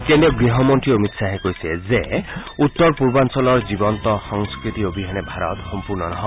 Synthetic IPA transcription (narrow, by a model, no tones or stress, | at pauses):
kend̪ɔɡɾiɦɔmɔnʈɾiomit̪saɦekojsezeut̪ːɔɾpuɾbansɔlɔɾd͡ʒibɔnt̪ɔsɔŋskɾit̪iobʱiɦanebʱaɾɔ̰t̪xɔmpuɾnɔnɔɦɔ